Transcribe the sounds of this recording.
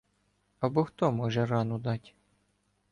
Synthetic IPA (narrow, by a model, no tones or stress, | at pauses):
ɐbɔxt̪ɔmɔʒɛrɑnʊd̪ɑtʲ